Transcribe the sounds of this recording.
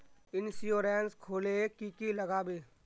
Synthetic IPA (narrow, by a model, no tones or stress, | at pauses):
ɪnsijoːɾɛːnskʰoːlekiːkiləɡaːbeː